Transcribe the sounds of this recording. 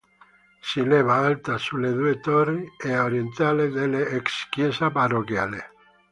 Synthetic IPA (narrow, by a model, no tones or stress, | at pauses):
sileβaalt̪asuleðwet̪orieoɾjent̪aleðeleːkskjesapaɾokjale